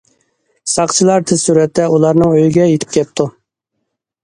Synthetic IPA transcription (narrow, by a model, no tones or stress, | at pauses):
sɑqt͡ʃʰilˠɑɾt̪ʰɪz̥suɾɛt̪ːɛulˠɑɾnɨŋøjɪɡʲɛjet̪ʰɪ̥p̚kʲʰɛp̚t̪ʰu